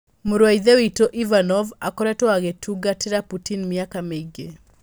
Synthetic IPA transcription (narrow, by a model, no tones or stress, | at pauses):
muɾwaiðewitoʔivanɔvakɔɾɛtɔaɣetʰuɡateɾaputinmiakameŋɡe